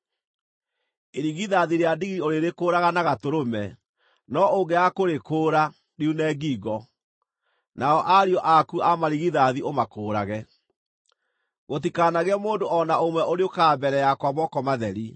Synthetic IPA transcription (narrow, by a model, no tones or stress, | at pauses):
eɾiɣiðaðiɾeadiɣioɾeɾekoːɾaɣanaɣatoɾomɛ | nɔoŋɡɛakoɾekoːɾa | ɾiunɛːɡiːɣɔ | naɔʔaɾiɔʔakuamaɾiɣiðaðiomakoːɾaɣɛ | ɣot̬ikanaɣɛmoːndoʔɔnaomwɛoɾeokaːbɛɾɛjakwamɔkɔmaðɛɾi